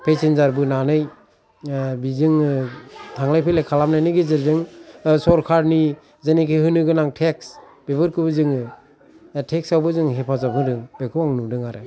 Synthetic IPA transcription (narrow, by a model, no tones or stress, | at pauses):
pʰesenzaɾbɯnanɯj | bizɯŋ | tʰaŋlajpʰelekʰalamnajnɯɡezɯɾzɯŋsɔɾkʰaɾni | zenikʰeɦɯnɯɡɯnaŋtʰeks | b̥ebɯɾkʰɯbɯzɯŋɯ | tʰek̚sawbɯzɯŋɦepʰazap̚hɯdɯŋb̥ekʰɯwaŋnudɯŋaɾɯ